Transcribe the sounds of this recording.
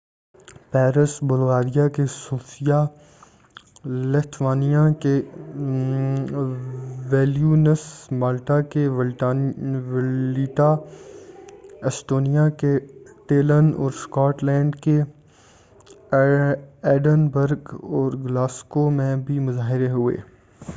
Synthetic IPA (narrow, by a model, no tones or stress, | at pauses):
pɛːɾəsbʊlɣaːɾijakesuːfija | let̪ʰʋaːnijake | ʋɛːljuːnəsmaːlʈake | ʋliːʈa | esʈoːnijakeʈ̪eːlənɔ̰ːɾskaːʈlɛ̃ːɳɖke | ɛːɖənbəɾɡɔːɾɡlaːskomẽbʱimʊzaːɦɪɾeɦʊḛː